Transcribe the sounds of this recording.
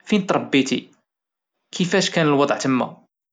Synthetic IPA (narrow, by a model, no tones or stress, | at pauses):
finət̪ˤɾˤɑbːit̪ḭ | kʰəfæʃkænəlwɑd̪ˤʕt̪əmːæ̰